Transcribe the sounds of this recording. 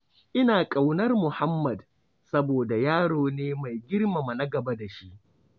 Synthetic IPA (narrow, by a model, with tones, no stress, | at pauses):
ʔɪ˦naː˨kʼa˨wnɐ˦rmʊ˨ha˦mːɐ˨d | sɐ˦boː˨da˨jaː˦ɽoː˨neː˦ma˨jɡʲɪ˦rma˨ma˨na˦ɡɐ˨ba˦da˨ʃi˦ʔ